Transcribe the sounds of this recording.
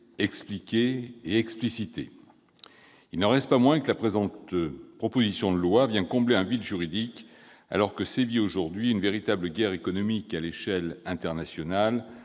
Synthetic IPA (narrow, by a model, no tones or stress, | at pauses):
ɛksplikʲeːɛksplisit̪e | ilnɑʁɛst̪pamwɛ̃kəlapχezɑ̃t̪pχɔpozisjɔ̃d̪əlwavjɛ̃kɔ̃bleɛ̃vid̪ʒyʁid̪ik | a̰lɔʁkəsevioʒuʁd̪ɥiynveʁit̪abləɡʲɛʁekɔnɔmikaleʃɛlɛ̃t̪ɛʁnasjɔnal